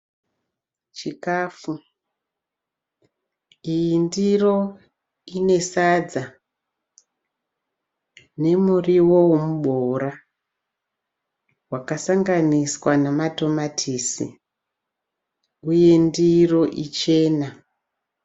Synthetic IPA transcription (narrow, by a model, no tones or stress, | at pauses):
t͡ʃikafu | ijindiro̞ | ine̞sad͡za | ne̞muriwo̞womuɓora | wakasaŋɡaniswanamato̞matʰisḭ | uje̞ndiro̞ʔit͡ʃe̞ːna